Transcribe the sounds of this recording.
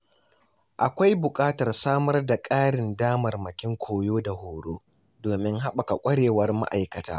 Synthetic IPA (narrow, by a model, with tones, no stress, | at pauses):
ʔa˨kʷa˦jbʊ˨kʼaː˦tɐ˨rsaː˦mɐ˦rda˨kʼaː˦ɽɪ˨ndaː˦mɐ˨rmɐ˨kʲɪ˦ŋkʷʰoː˨joː˦da˨hoː˨ɽoː˦ | doː˨mɪ˦ŋɦa˦ɓa˨ka˨kʷʼɐ˦ɽeː˨wɐ˦rma̰˦ʔa˨jkɐ˨ta̰ː˦